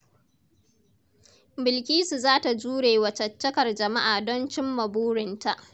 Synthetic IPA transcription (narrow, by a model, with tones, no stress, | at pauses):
bɪ˨lkʲiː˦su˨zaː˦ta˨d͡ʒuː˦ɽeː˨wɐ˨t͡ʃɐ˨t͡ʃːɐ˦kɐ˨rd͡ʒɐ˨ma˦ʔaː˨dɔ˦nt͡ʃɪ˦mːɐ˨buː˦ɽɪ˨nta˨ʔ